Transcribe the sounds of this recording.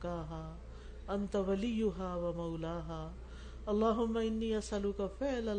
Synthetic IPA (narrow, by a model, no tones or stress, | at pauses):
kaːɦaː | ʔɐnt̪awɐlɪjːʊɦaːwɐmɐwlaːɦaː | ɐlˤːaːɦʊmːɐɪnːiːɐsɐlʊkafɪʕlɐ